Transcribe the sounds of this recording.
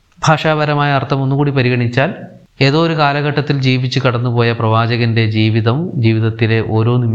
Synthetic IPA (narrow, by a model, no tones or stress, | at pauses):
bʱaːʂaːbɐɾɐmaːjɐɐrt̪ʰːɐmo̞nːukuːɽipɐɾiɣɐɳit͡ɕːaːl | e̞ːðoːɾukaːlɐɣɐʈːɐt̪ːild͡ʑiːʋit͡ɕːukɐɽɐnːupo̞ːjɐprɐʋaːd͡ʑɐɣɐnde̞d͡ʑiːʋiðɐmd͡ʑiːʋiðɐt̪ːile̞ʔo̞ːɾo̞ːnimː